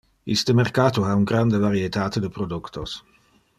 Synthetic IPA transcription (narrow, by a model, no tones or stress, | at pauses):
ḭst̪əmerkaːt̪uauŋɡɾand̪əvaɾiet̪aːt̪ed̪əpɾod̪ukt̪os